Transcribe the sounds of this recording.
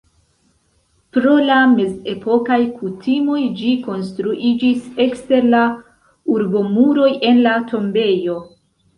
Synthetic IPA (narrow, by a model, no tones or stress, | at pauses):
pɾo̞lameze̞po̞kajkutimo̞jd͡ʒiko̞nstɾuʔid͡ʒise̞kste̞ɾla | uɾbo̞muɾo̞je̞nlatʰo̞mbe̞jo̞